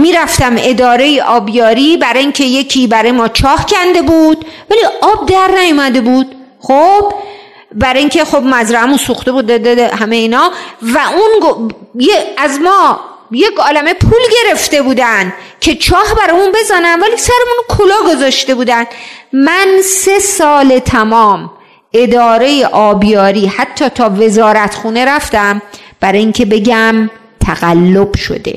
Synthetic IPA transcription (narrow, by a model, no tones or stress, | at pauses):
miɾæft̪æme̞d̪ɒːɾe̞jeʔɒːbjɒːɾiːbæɾɒiŋcʰe̞je̞cʰiːbæɾɒːjemɒːt͡ʃʰɒːhcʰænd̪e̞buːd̪̥væliʔɒːb̚d̪æɾnæjomæd̪e̞buːd̪̥ | xob̥ | bæɾɒiŋcʲʰe̞xo̞bmæzɾæhæmunsuxt̪ebud̪d̪d̪ehæmejeiːnɒvæʔunɡojeæzmɒː | jekʰɒːlæme̞pʰuːlɟe̞ɾe̞ft̪e̞buːd̪ænd̪ | cʰe̞t͡ʃʰɒːhbæɾɒjmunbe̞zæːnænvæliːsæɾemunkʰolɒːɡo̞zɒːʃt̪e̞buːd̪ænd̪mænse̞sɒːle̞t̪ʰæmɒːm | e̞d̪ɒːɾe̞jeʔɒːbjɒːɾiːhæt̪ʰːɒːt̪ʰɒːve̞zɒːɾæt̪χuːne̞ɾæft̪æmb̥æɾɒːjiŋcʰe̞be̞ɟæm | t̪ʰæɣ̥ælːo̞b̥ʃo̰d̪ḛ